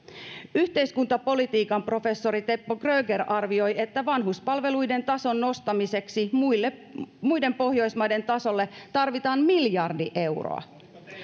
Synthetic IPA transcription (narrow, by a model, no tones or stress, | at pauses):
yht̪e̞jskunt̪ɑpo̞lit̪iːkɑmpro̞fe̞sːo̞ɾit̪e̞pːoɡrøːɡeɾɑrʋio̞je̞t̪ːæʋɑnɦuspɑlʋe̞lujde̞nt̪ɑso̞nːo̞st̪ɑmise̞ksimujlːemujde̞mpo̞hjo̞jsmɑjde̞nt̪ɑso̞lːet̪ɑrʋit̪ɑːnmiljɑrdiʔe̞wro̰ɑ̰